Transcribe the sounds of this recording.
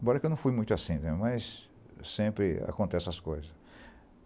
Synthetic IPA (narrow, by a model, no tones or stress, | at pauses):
bɔɾɐkewnɐ̃w̃fujmũj̃t̪asĩnɛmɐjsː | ẽpɾɪa̰kõnt̪ɛsɐskojzɐs